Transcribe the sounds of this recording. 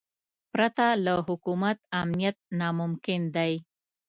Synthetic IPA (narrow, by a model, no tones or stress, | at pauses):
pɾat̪alaɦʊkumat̪amnijat̪̚nɑmʊmkɪnd̪aj